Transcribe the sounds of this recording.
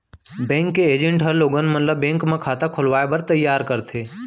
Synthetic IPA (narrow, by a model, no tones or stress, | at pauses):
bɛ̃ːŋkːeeːd͡ʒə̃ɳʈɦəɾloːɡənmət̪ləbːẽːŋkmẽkʰaːt̪akʰʊlʋaːebəɾt̪əjːaːɾkəɾt̪ʰeː